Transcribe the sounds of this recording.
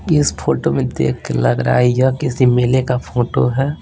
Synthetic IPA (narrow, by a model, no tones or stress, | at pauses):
ɪspʰoːʈomẽd̪ḛːkʰkelɐɡɾa̰ːijakɪsimeːlekapʰoːʈo̰ɦɛː